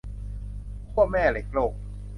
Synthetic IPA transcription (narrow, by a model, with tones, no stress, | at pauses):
pʰu˥˩əmɛː˥˩le˦˥k̚loː˨˩k̚